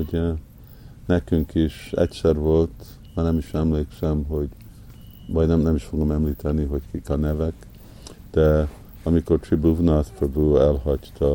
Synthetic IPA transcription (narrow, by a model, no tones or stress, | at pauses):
oɟ | nɛkyŋkiʃɛ̰csɛrvo̞lt̪ | mɑnɛmiʃɛmleːksɛmɦo̞ɟ | vɒɟnɛmnɛmiʃfo̞ɡo̞mɛmliːt̪ɛniɦo̞ckikɒnɛvɛk | d̪̥ɛ | ɒmiko̞rt̪ribuvnɑspɾobuɛlhɒct̪ʰɒ